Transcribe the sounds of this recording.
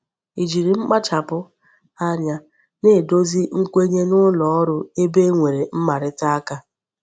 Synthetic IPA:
i˨d͡ʒi˨ɾi˨ŋ͡m̩˦k͡pa˦t͡ʃa˨pʊ˦ | a˦ɲa˨ | ne˦˨do˦zi˦ŋ̩˦kʷe˦ɲe˦nʊ˦lɔ˨ɔ˦ɾʊ˦e˦be˦ŋʷe˨ɾe˨m̩˦ma˨ɾɪ˦ta˦a˦ka˦

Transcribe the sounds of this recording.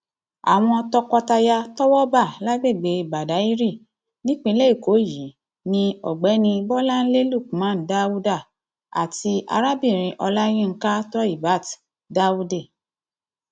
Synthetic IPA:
a̰˨w̃ɔ̃˧tɔ˦kɔ˧ta˧ja˧tɔ˦wɔ˦ba˦˨la˦ɡ͡be˦˨ɡ͡be˨˧ba˨da˨˦i˦ɾi˦˨ | nĩ˦k͡pĩ˦˧˦lɛ˦i˦˨ko˨˦ji˨˦ | nĩ˧ɔ̰˨ɡ͡bɛ˨˦nĩ˧bɔ˦la˦n̩˦le˦lu˦˨ku˨mã˨˦˨n̩˨˦da˦u˦da˦˨ | a̰˨ti˧a̰˧ɾa˦bi˦˨ɾ̃ĩ˧ʔɔ˧la˦j̃ĩ˦˨ŋ̩˦ka˦tɔ˦i˦˨ba˨˦˨t | da˦u˦de˦˨

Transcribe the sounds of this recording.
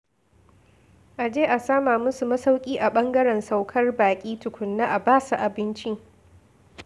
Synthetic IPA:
ʔa˨d͡ʒeː˦ʔa˨saː˦maː˨mʊ˦su˨mɐ˦sa˦wkʲʼiː˦ʔa˨ɓɐ˦ŋɡɐ˦ɾɛ˨nsa˦wkʰɐ˦rbaː˨kʲʼiː˦tʊ˨kʷʊ˨nːa˦ʔa˨baː˦sa˨ʔa˨bɪ˦nt͡ʃi˦

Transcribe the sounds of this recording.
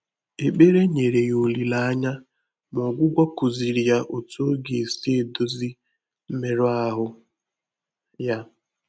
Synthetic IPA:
e˨k͡pe˦ɾe˦ɲe˨ɾe˨jo˨li˨la˦a˦ɲa˦ | m˨ɔ˨ɡʷʊ˦ɡʷa˦ku˨zi˨ɾi˨ja˦ʔo˨to˦ɡe˨se˦e˨do˦zi˦ | m̩˦me˦ɾʊ˦a˦ɦʊ˦ | ja˦

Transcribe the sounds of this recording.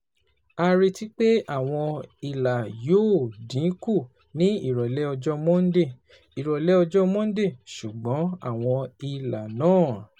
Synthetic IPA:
a˧ɾi˧ti˦k͡pe˦a˦˨w̃ɔ̃˧i˨la˨joː˦dĩ˨˦ku˦˨ | nĩ˨˦i˦˨ɾɔ˨lɛ˦ɔ˧d͡ʒɔ˦mɔ̃˦n̩˦de˦˨ | i˨ɾɔ˨lɛ˦ɔ˧d͡ʒɔ˦mɔ̃˦n̩˦de˦˨ʃu˨ɡ͡bɔ̃˨˦a̰˦˨w̃ɔ̃˧i˧la˨nãː˦˨

